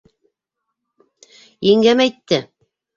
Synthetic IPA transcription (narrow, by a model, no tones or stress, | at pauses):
iŋɡæmæjt̪ːɘ